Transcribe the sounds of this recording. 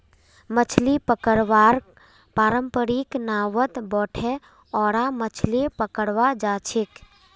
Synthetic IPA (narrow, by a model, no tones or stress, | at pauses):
mət͡ʃʰlipəkəɽʋaːɾ | paːɾəmpəɾiknaːwət̪bɔːʈʰɛ | ɔːɾamət͡ʃʰlipəkəɽʋad͡ʒaːt͡ʃʰik